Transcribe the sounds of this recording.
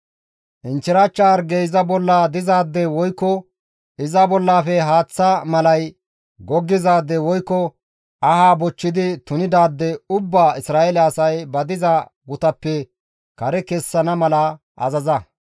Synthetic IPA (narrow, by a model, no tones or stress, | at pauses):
ʔɪnt͡ʃːɪɾɐt͡ʃːaːɾɡɛjzɐbɔlːaːd̪ɪzaːd̪ːɛwɔjkːɔ | ɪzɐbɔlːaːfɛɦaːt͡sːɐmɐlɐj | ɡɔɡːɪzaːd̪ːɛwɔjkːɔ | ɐhaːbɔt͡ʃːɪd̪ɪt̪ʊnɪd̪aːd̪ːɛʊbːaːɪsɾaːʔɛlɛɐsɐjbɐd̪ɪzɐ | ɡʊt̪ɐpːɛ | kɐɾɛkɛsːɐnɐmɐlɐ | ʔɐ̰zɐzɐ